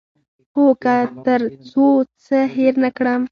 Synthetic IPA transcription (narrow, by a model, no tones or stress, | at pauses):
hokat̪əɾt͡sot͡səɦeɾnakɽam